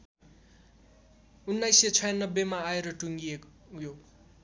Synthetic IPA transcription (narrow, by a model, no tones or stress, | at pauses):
unːajsʌt͡sʰʌjanːʌbːemaːeɾʌʈuŋɡiek | jo